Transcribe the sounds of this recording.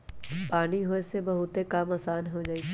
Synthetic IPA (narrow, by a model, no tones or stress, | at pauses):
paːniɦoːesebɐɦʊt̪ekamaːsaːnɦod͡ʒaːit͡ʃʰ